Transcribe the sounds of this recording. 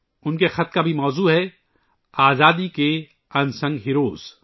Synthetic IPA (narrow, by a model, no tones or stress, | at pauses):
ʊnkexɐt̪kabʱimɔːzuːɦɛ | aːzaːd̪ike | ɐnsɐ̃ŋɡɦɪɾoːz̥